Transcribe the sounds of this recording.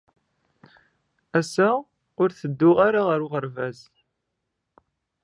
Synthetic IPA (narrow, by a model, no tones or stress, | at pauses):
æsæ | ʊɾθəd̪ːʊʁaɾaʁəɾʊʁəɾvæz